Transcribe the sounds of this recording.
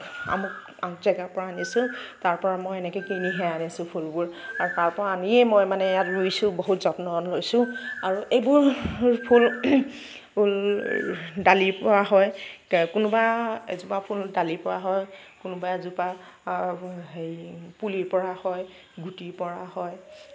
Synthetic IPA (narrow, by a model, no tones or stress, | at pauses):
a̰mʊk | aŋzɛɡapɔɹaːnisʊ̃taɹpɔɹamɔjɛnɛkɛkiniɦɛanisʊ̃pʰulbʊɹaɹutaɹpɔɹaaniɛmɔjmanɛjatɹuisʊ̃boɦutzɔtnɔlojsʊ̃aɹuʔejbʊɹpʰul | pul | dalipɔaɦɔjkʊnʊbaḛzupapʰuldalipɔɹaɦɔjkʊnʊbaezupa | ɦejpuliɹpɔɹahɔj | ɡutiɹpɔɹahɔj